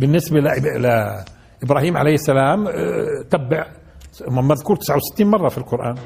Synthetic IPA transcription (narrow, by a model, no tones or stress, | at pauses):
bənːəsbalʔl | ʔəbɾɑɦiːmʕa̰lejːsːælaːmt̪æbːaʕ | mmæðkuːɾt̪ə̥sʕawsɪ̥t̪ːiːnmɑrˤːɑfilqʊɾˤʔa̰ːn